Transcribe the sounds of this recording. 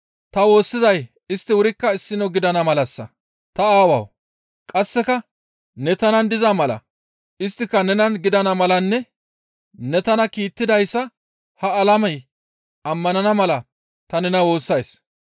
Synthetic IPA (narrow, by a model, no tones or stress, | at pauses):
t̪ɐwo̞ːsːɪzɐj | ɪst̪ːɪwʊɾɪkːɐɪsːɪnɔɡɪd̪ɐnɐmɐlɐsːɐ̰ | t̪ɐaːwɐ̰w | kʼɐsːɛkɐ | nɛt̪ɐnɐnd̪ɪzɐmɐlɐ̰ | ʔɪst̪ːɪkːɐnɛnɐnɡɪd̪ɐnɐmɐlɐnːɛ | nɛt̪ɐnɐkiːt̪ːɪd̪ɐjsːɐ | hɐːlɐmɐj | ɐmːɐnɐnɐmɐlɐ | t̪ɐnɛnɐwo̞ːsːɐjs